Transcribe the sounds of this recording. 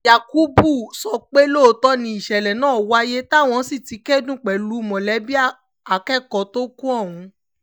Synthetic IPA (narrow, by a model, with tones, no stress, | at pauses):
ja˨ku˦bu˦˨sɔ˧k͡pe˦lo˦˧tɔ˦nĩ˧i˨ʃɛ˨lɛ˨nãː˦˨wa˦je˦ta˦˨w̃ɔ̃˧˦si˦˨ti˨˧˦kɛ˦dũ˦k͡pɛ˨lu˨˦mɔ̃˨lɛ˨˦bi˦a˦ | a˨kɛ˦˨kɔ˨to˦kũ˦ɔ˦˨w̃ũ˨˧